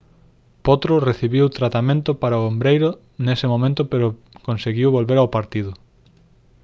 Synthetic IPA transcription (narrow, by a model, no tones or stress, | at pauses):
pot̪ɾoreθiβiwt̪ɾat̪amẽnt̪ʊpaɾaoombɾejɾʊ | nesɪmõmẽnt̪ʊpeɾo | kõnseɣiwβolβeɾawpaɾt̪iðʊ